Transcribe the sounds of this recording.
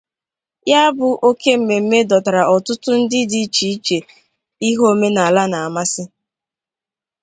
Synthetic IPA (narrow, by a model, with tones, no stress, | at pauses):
ja˦a˦bʊ˨ʔo˦ke˦m̩˨me˨m̩˦me˦dɔ˨ta˨ɾa˨ʔɔ˨tʊ˦tʊ˦n̩˦dɪ˦di˦t͡ʃi˨i˦t͡ʃe˨ | i˦ɦo˦me˦na˨a˨la˦na˨a˨ma˦sɪ˦